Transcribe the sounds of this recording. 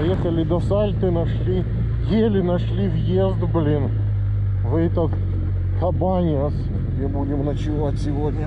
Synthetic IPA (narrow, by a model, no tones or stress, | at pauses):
jexəlʲɪd̪ɐsalʲt̪ɨnɐʂlʲi | jelʲɪnɐʂlʲivjezt̪blʲin | vɛt̪ət̪ | kʰɐbanʲɪs | ɡdʲebudʲɪmnət͡ɕɪvatʲsʲɪvodʲnʲə